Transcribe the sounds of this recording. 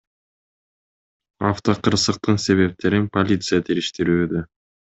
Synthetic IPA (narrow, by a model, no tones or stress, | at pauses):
aft̪oqʰɯɾsɯq̚t̪ɯnse̞βe̞p̚t̪e̞ɾinpolʲit̪sɨjat̪ʰeɾiʃt̪iɾyːd̪ø